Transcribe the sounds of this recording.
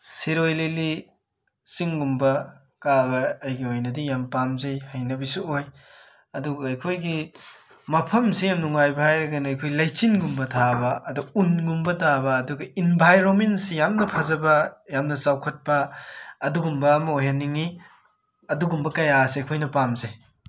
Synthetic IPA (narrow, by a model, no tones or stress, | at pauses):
siɾojleli | siŋɡumbɐ | kaɡɐːjɡiojnɐdijampamzɐjhajnɐbisuoj | ɐduɡɐɐjkʰojɡi | mɐpʰɐmsijamnuŋajbɐhajɾɐɡɐnɐjkʰojlɐjt͡ʃinɡumbɐtʰabɐɐduunɡumbɐdabɐːduɡɐinbʱajɾomentsijamnɐpʰɐzɐbɐjamnɐsawkʰɐt̚pɐːduɡumbɐːmɐojɦaniŋi | ɐduɡumbɐkɐjaseɐjkʰojnɐpamzej